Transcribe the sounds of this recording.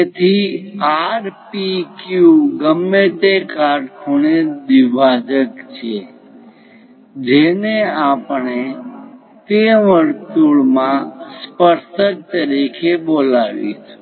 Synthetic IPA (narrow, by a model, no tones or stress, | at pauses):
et̪ʰiaɾpikjuɡəmːet̪ekaɖkʰuɳed̪iʋad͡ʒəkt͡ʃʰe | d͡ʒeneapəɳe | t̪eʋəɾt̪uɭmãspəɾt̪ək̚t̪əɾikʰebolaʋḭt͡ʃʰ